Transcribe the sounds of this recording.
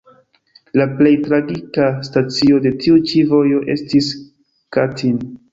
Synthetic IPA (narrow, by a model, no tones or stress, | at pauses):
laple̞jtɾaɡikastat͡sio̞de̞tiut͡ʃivo̞jo̞ʔe̞̰stis | katin